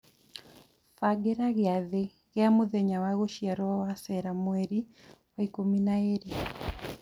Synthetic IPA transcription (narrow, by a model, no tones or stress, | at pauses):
faɡɛɾaɣaðe | ɣjamuðɛɲawaɣoʃiaɾɔawasɛɾamwɛɾiwaikuminaeɾi